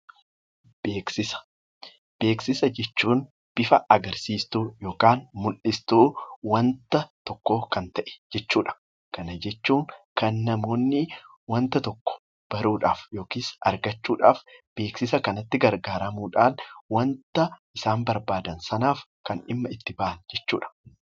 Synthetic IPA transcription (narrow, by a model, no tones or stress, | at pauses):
beːksɪsɐ̥ | b̥e̞ːksɪsɐd͡ʒɛt͡ʃːuːn | b̥ɪfɐɐɡɐɾsiːst̪uːjo̞ːkaːnmʊlʔɪst̪uːwɐnt̪ɐt̪ɔkːoːkɐnt̪ɐʔɛ̥d͡ʒɛt͡ʃːuːᶑɐ̥ | kɐnɐd͡ʒɛt͡ʃːuːŋkɐnːɐmo̞ːnːɪ | wɐnt̪ɐt̪ɔkːɔ̥ | b̥ɐɾuːᶑaːfjo̞ːkiːsɐɾɡɐt͡ʃːuːᶑa̰ːfb̥e̞ːksɪsɐkɐnɐt̪ːɪɡɐɾɡaːɾɐmuːᶑaːnwɐnt̪ɐʔɪsaːmbɐɾbaːd̪ɐnsɐnaːf | kɐnɪmːɐɪt̪ːɪbaːʔɐnd͡ʒɛt͡ʃːuːᶑɐ̥